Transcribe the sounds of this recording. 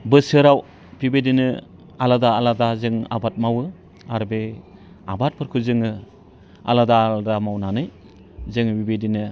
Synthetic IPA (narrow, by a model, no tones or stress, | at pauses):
bɯsɯɾaw | bibedinɯ | aladaːladazɯŋa̰bat̚mawɯ | aɾbe | abat̚pʰɯɾkʰuzɯŋɯ | a̰ladaldamawnanɯj | zɯŋbibedinɯ